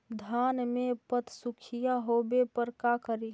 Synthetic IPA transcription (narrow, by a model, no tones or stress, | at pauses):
d̪ʱanmepət̪ʰsukʰijaɦobepəɾkakəɾi